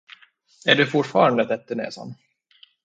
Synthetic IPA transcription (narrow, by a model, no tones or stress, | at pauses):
æɖɵfʊʈfɑːɾand̪ət̪ɛt̪ːəɳɛ̰ːsa̰n